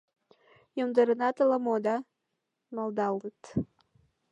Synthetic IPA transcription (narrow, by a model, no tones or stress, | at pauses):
jomd̪əɾənɑt̪ləmod̪ɑ | mɑld̪ɑlət̪